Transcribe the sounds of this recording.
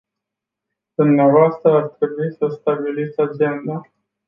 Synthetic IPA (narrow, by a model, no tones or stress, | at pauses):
d̪̥umneavoast̪ɾəart̪ɾe̞buisəst̪abilit̪sʲad͡ʒe̞nd̪a